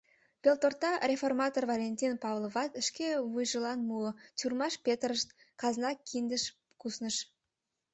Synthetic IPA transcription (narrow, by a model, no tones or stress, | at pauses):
b̥ʲelt̪ort̪ːɑrʲeformɑt̪orvolʲenʲtʲinpɑvlˠovɑt̪əʃkʲevujʒəlˠɑnmuət͡ɕʲurmɑʃpʲet̪rəʃt̪ | kɑzənɑkʲʰːind̪əʃ | kusnəʃ